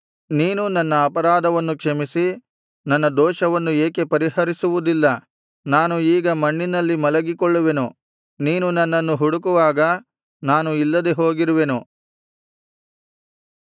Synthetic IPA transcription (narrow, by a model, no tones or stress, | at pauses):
niːnunɐnːɐːpɐɾaːd̪ʱɐʋɐnːukʂɐmisi | nɐnːɐd̪ɔːʃɐʋɐnːueːke̞pɐɾiɦɐɾisuʋud̪ilːɐ | naːnuiːɡɐmɐɳːinɐlːimɐlɐɡikɔɭːuʋe̞nu | niːnunɐnːɐnːuɦuɽukuʋaːɡɐ | naːnuilːɐd̪eɦoːɡiɾuʋe̞nu